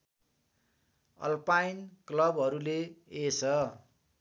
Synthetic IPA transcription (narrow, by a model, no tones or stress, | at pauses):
ʌ̰lpajnklʌbʌɾuleesʰʌ